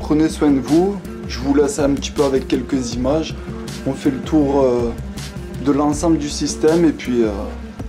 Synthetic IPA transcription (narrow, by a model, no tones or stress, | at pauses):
pχəneswɛ̃d̪əvu | ʒəvulɛsɛ̃pət̪i̥pøavɛkʲːɛlkəzimaʒ | ɔ̃fɛlət̪ʰuʁø | d̪əlɑ̃sɑ̃bləd̪ysist̪ɛmepɥiø